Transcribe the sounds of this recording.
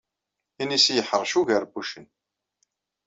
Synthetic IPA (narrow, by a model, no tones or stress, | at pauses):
inisjəħəɾˤʃuʝəɾbuʃən